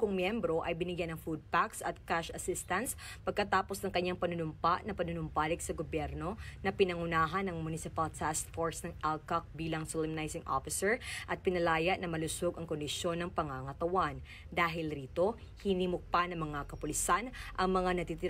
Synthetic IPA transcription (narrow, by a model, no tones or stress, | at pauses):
kʊŋmjɛmbɾo̞ʔɐjbɪnɪɡjanɐŋfud̪̚paksɐt̪̚kaʃɐsɪst̪ɐns | pɐɡ̚kɐt̪aːpo̞snɐŋkɐɲːaŋpɐnʊnʊmpaʔnɐpɐnʊnʊmpaːlɪksɐɡobjɛɾno̞nɐpɪnɐŋʊnaːɦɐnɐŋmʊnɪsɪpɐlt̪ʰɛst̪foɹsnɐŋʔalkɐk̚biːlɐŋsolɪmnajsɪŋʔo̰fɪsɛɹʔɐt̪̚pɪnɐlaːjɐʔnɐmɐlʊsoɡɐŋkond̪ɪsjo̞nːɐŋpɐŋaŋɐt̪ɐwan | d̪aːɦɪlɾiːt̪o̞ | hɪniːmok̚pɐnɐŋmɐŋakɐpʊlɪsanʔɐŋmɐŋanɐt̪it̪ɪ